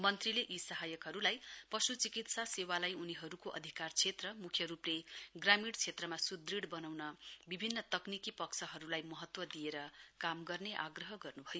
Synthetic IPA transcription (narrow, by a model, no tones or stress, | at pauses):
mʌnt̪rileʔisʌɦajʌkɦʌɾulajpʌsut͡sikit̪sasewalajuniɦʌɾukoʔʌ̰d̪ʱikart͡sʰet̪rʌmukʰjʌɾupleɡramiɽt͡sʰet̪rʌmasud̪riɽbʌnawnʌbibʱinːʌt̪ʌknikipʌksʰʌɦʌɾulajmʌɦʌt̪wʌd̪ijeɾʌkamɡʌrneʔa̰ɡrʌɦʌɡʌrnubʱʌjo